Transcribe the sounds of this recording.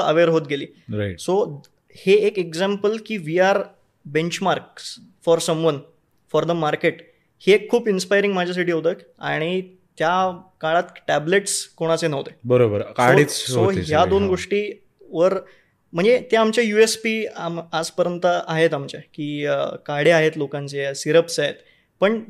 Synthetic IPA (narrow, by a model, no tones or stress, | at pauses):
ə̰ʋeɾɦot̪̚ɡeliː | ɾaso | heːkekd͡zæmpəlkiːʋiːaɾ | bẽɲt͡ɕmaɾksfɔɾsəmʋən | fɔɾd̪əmaɾkeʈ | hekʰːuːpinspajɾĩŋɡm̤ad͡ʑʱas̬aʈiːɦot̪ək | aɽ̃i | t̪jakaɭat̪ʈæbleʈskoɽ̃at͡senəʋt̪ebəɾobəɾkaoɽisoɦjad̪onɡoʂʈiː | ʋəɾ | m̤əɳd͡zet̪eamt͡ɕjajuespiamaspəɾjənt̪əaɦet̪amt͡ɕjakiːkaɽeaɦet̪lokãnt͡sesiɾəpsaɦet̪ | pəɳ